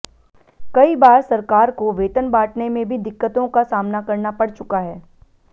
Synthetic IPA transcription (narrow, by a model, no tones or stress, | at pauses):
kɐibaːɾsɐɾkaːɾkoʋeːt̪ənbaːʈnemẽbʱid̪ɪkːət̪õkasaːmnakɐɾnapɐɽ̤t͡ʃʊkaɦɛː